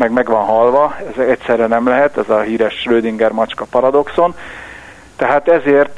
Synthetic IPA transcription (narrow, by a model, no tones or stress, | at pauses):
mɛɡmɛɡʋɒnɦɒlʋɒɛzɛɛcsɛrːɛnɛmlɛɦɛt̪ɛzɒɦiːɾɛʃrøːd̪iŋɡɛrmɒt͡ʃkɒpɒɾɒd̪o̞kso̞n | t̪ɛɦaːt̪ɛzeːrt̪